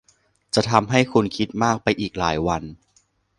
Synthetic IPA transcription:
t͡ɕa˨˩t̪ʰa˧mɦa˥˩jkʰu˧nkʰi˦˥t̪̚maː˥˩k̚pa˧jʔiː˨˩k̚laː˩˦jwa˧n

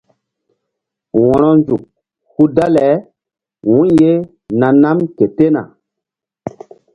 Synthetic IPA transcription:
wɔ̃˨nɔ˦nd͡ʒu˨k̚ | hu˦da˦lɛ˨˦ | wũ˦nje˦ | na˨na˦mke˨te˦na̰˨

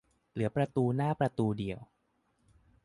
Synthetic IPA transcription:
lɯ˩˦ɐpɾa˧t̪uː˧naː˥˩pɾa˧t̪uː˧di˧əw

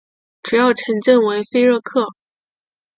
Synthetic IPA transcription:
ʈ͡ʂu˨˩jɑ˥˩ʊʈ͡ʂʰɤ˧˥ŋt͡ɕə˥˩nwe˧˥ɪfe˥ɪɻɤ˥˧kʰɤ˥˩

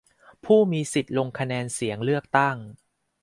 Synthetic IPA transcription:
pʰuː˥˩miː˧si˨˩t̪̚lo˧ŋkʰa˧nɛː˧nsi˩˦əŋlɯ˥˩ək̚t̪a˥˩ŋ

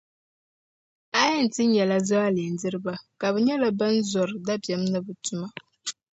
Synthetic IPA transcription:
a˦jɛ˦n̩˨tɨ˦ɲɛ˨la˦za˦a˦li˨n˨dɨ˦ɾɨ˦ba˦ka˨βɛ˨ɲɛ˦la˨ba˦n˦zɔ˨ɾɨ˨da˦bjɛ˨m˦nɨ˦bɨ˨tʊ˨ma˦

